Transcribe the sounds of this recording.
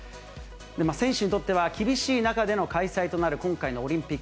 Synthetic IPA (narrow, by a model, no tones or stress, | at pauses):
d̪e̞masẽ̞ɕɨɲ̟it̪o̞t̪ːe̞βakʲibʲiɕiːnakad̪e̞no̞kaisait̪o̞naɾɯ̟kõ̞ŋkaino̞ːɾʲĩmpʲikː